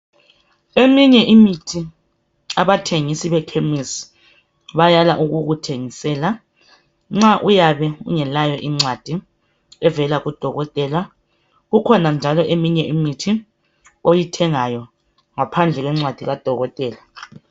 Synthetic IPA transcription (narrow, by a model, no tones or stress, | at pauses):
emiɲɛʔimitʰi | aβatʰeŋisiβɛkʰemisi̥ | βajalaʔuɣuɣutʰeŋisɛːla | ŋ͡ǁaʔujaβɛṵŋɛlajɔʔiŋ͡ǀwad̥ʱi | ɛvɛlaɣud̥ʱɔɣɔtʼɛla | ɣukʰɔnand͡ʒʱalɔʔemiɲɛʔimitʰi | ojitʰɛŋajɔ | ŋapʰand͡ɮʱɛɣwɛŋ͡ǀwad̥ʱiɣad̥ʱɔɣɔtʼɛːla